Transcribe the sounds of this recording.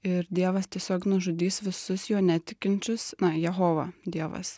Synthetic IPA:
ɪɾd̪ʲiɛʋɐst̪ʲiɛsʲoːknʊʒʊd̪ʲiːsʋʲɪsʊsjoːnʲɛt̪ʲɪkʲɪnʲt͡ʃʲʊsnɐjɛɦoːʋɐ̰d̪ʲiɛʋɐ̰s

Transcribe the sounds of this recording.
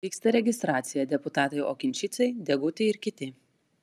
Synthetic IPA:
iːkst̪ɐɾʲɛɡʲɪst̪ɾɑːt̪sʲɪjɛd̪ʲɛpʊt̪ɑːt̪ɐɪʔo̰ːkʲɪnʲt͡ʃʲɪt̪sʲɛɪd̪ʲɛɡʊt̪ʲɛɪɪɾkʲɪt̪ʲɪ

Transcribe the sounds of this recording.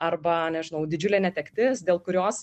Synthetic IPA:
ɐrbɐnʲɛʒʲɪnɐʊd̪ʲɪd͡ʒʲʊlʲeːnʲɛt̪ʲɛkt̪ʲɪsd̪ʲeːlˠkʊɾʲoːs

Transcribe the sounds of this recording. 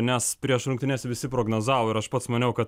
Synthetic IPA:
nʲɛspʲɾʲiɛʃɾʊŋkt̪ʲɪnʲɛːsʲɛʋʲɪsʲɪpɾoːɡnoːzɑːʋoːɪɾɐʃpɐt̪smɐnʲɛʊkɐt̪

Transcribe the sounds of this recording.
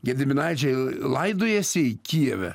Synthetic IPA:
ɡʲɛd̪ʲɪmʲɪnɐɪt͡ʃʲɛɪlˠɐɪd̪oːjɛsʲɪɪkʲiɛʋʲɛ̰

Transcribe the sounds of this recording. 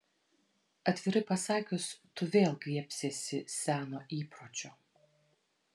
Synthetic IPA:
ɐt̪ʲʋʲɪɾɐpɐsɑːkʲʊst̪ʊʋʲeːlˠkʋʲiɛpʲsʲeːsʲɪsʲæːnoːʔiːpɾoːt͡ʃʲoː

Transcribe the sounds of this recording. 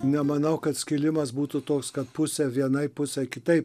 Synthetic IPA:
nʲɛmɐnɐʊkɐt̪sʲkʲɪlʲɪmɐsbuːt̪ʊt̪oːkskɐt̪pʊsʲɛʋʲiɛnɐɪpʊsʲɛkʲɪt̪ɐɪp

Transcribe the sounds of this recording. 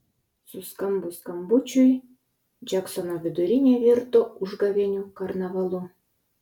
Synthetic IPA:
suskɑmbuskɑmbut͡ɕuj | d͡ʑɑksonavʲɘd̪uɾʲinʲeβʲert̪ouʐɡɑβʲenʲukɑrnɑβɑlˠu

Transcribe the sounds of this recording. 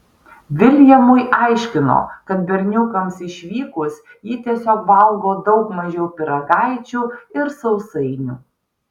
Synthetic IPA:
ʋʲɪlʲjɛmʊjʔɑɪʃʲkʲɪno̰ːkɐt̪̚bʲɛɾʲnʲʊkɐmsɪʃʲʋʲiːkʊs | jɪt̪ʲiɛsʲoːk̚bɐlˠɡoːd̪ɒʊkmɐʒʲɛʊpʲɪɾɐɡɑɪt͡ʃʲuːɪɾsɐʊsɐɪnʲṵː

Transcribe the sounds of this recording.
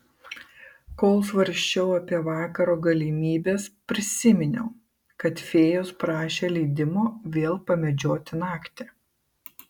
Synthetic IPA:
koːlˠsʋɐɾʲʃʲt͡ʃʲɛʊɐpʲiɛʋɑːkɐɾoːɡɐlʲɪmʲiːbʲeːspʲɾʲɪsʲɪmʲɪnʲɛ̰ʊ | kɐt̪fʲeːjʊspɾɑːʃʲeːlʲɛɪd̪ʲɪmoːʋʲeːlˠpɐmʲɛd͡ʒʲoːt̪ʲɪnɑːkt̪ʲɛː

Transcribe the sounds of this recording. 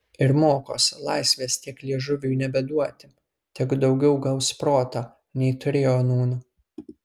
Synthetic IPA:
ɪɾmoːko̰ːsʲlˠɐɪsʲʋʲeːst̪ʲiɛklʲiɛʒʊʋʲuːnʲɛbʲɛd̪uɔt̪ʲɪ | t̪ʲɛɡd̪ɒʊɡʲɛʊɡɐlˠspɾoːt̪oː | nʲɛɪt̪ʊɾʲeːjoːnuːnʊ

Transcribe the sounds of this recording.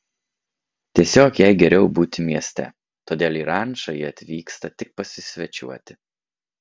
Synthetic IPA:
t̪ʲiɛsʲoːkjɛɪɡʲɛɾʲɛʊbuːt̪ʲɪmʲiɛsʲt̪ʲɛ̰ | t̪oːd̪ʲeːlˠiːɾɑˑnʃɐjiɐt̪ʲʋʲiːkst̪ɐt̪ʲɪk̚pɐsʲɪsʲʋʲɛt͡ʃʲṵɔt̪ʲɪ

